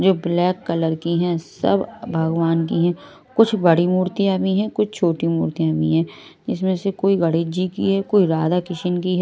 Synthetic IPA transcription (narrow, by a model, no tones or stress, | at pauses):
d͡ʒoːblɛːkːɐləɾkiɦɛ̃sɐ̰bbʱɐɡʋaːnk̬iɦɛ̃ː | kʊt͡ʃʰbɐɽimuːɾt̪ijaːmiɦɛ̃kʊt͡ʃʰt͡ʃʰoːʈimuːɾt̪ijaːmḭɦɛ̃ː | d͡ʒɪsmẽsekoːiɡɐɽeːd͡ʒikḭɦɛːkoːiɾaːd̪akɪʃənkiɦɛ